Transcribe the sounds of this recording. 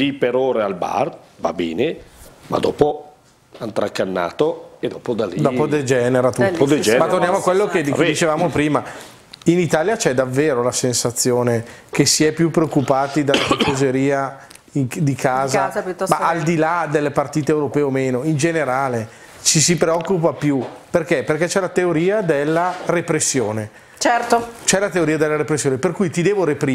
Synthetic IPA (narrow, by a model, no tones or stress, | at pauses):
lipeɾoːɾealba̰rva̰bɛ̰ːnema̰d̪ɔ̰ːpo | ant̪ɾakːanːa̰ːt̪oed̪ɔːpod̪alid̪ɔːpod̪ed͡ʒɛːneɾat̪ud̪ed͡ʒmat̪ːornjaːmoakːwelːoked̪it͡ʃevaːmopɾiːma | init̪aːljat͡ʃɛd̪avːeːɾolasensat̪sːjoːnek̟esiɛpːjupːɾeokːupaːt̪id̪alːakipozeɾiːa | iŋd̪ikʰaːzamaald̪ilad̪elːepart̪iːt̪eːwɾopɛːomeːnoind͡ʒeneɾaːle | t͡ʃis̬ipɾeɔkːupapjuperkɛperkɛt͡ʃɛlat̪eoɾiːad̪elːarepɾesːjoːne | t͡ʃɛɾt̪ot͡ʃɛlat̪eoɾiːad̪elːaɾepɾesːjoːneperkuːjt̪id̪ɛːvoɾepɾiː